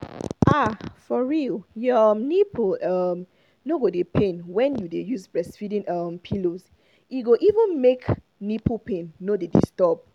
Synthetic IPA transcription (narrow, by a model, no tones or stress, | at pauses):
ʔafɔɹiljʌmnipʰoʌm | noɡodepʰẽnwɛ̃njudejuzbɹɛsfidĩnʌmpʰiloz | iɡoʔivə̃nmek | nipopẽnːodedḭstɔb̚